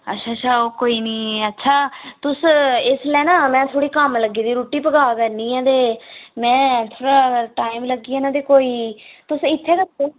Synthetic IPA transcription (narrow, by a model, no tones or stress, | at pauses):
ə̰tːʃʰaːt͡ʃʰaːoːkoːiːniːətːʃʰaːt̪ʊsɪslɛːnãːmɛ̃ːt̪ʰoːɽiːkəmləɡːiːd̪iːɾoːʈiːpəɡaːkəɾnĩːɛ̃ːt̪eːmɛ̃ːt̪ʰoːɽaːʈaːimləɡːiːɛːnãːt̪eːkoːiːt̪ʊsɪt̪ʰːeːɾəkeː